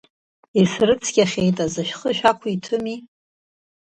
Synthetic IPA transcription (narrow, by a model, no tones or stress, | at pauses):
isrɨt͡sʰɡʲaχʲejtʼazaʃᶣχəʃᶣakʷʰʊitʰʊmi